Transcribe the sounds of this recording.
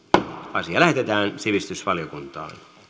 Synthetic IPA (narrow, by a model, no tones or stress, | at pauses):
ɑsiɑlæɦet̪et̪æːnsiʋist̪ysʋɑliokunt̪ɑ̰ːn